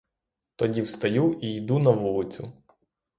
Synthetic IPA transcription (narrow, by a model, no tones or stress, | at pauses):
t̪ɔdʲiwst̪ɐjuiid̪unɐʋulˠɪt͡sʲʊ